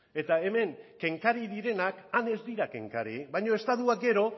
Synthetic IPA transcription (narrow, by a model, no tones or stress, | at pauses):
e̞t̪ae̞me̞ŋke̞ŋkaɾiðiɾe̞nakane̞zd̪iɾake̞̰ŋkaɾiβajɲo̞e̞st̪aðuak̚ɡe̞ɾo̞